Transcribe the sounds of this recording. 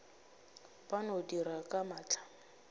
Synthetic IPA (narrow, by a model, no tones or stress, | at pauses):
banodiɾakʼamaːt͡ɬʰʼḁ